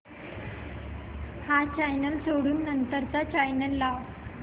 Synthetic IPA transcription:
hat͡ɕajnəlsoɽuːnːənt̪əɾt͡sat͡ɕajnəlːaʋ

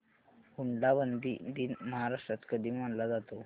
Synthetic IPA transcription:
ɡuɳɖabənd̪id̪iːnməɦaɾaʂʈɾat̪kəd̪ʱiːmaɳlad͡zat̪o

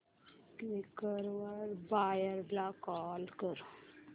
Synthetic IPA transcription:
kikəɾʋəɾbajəɾblakɔlkəɾu

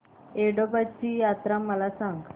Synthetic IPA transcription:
eɽobat͡ɕiːjat̪ɾaməlasãŋɡ

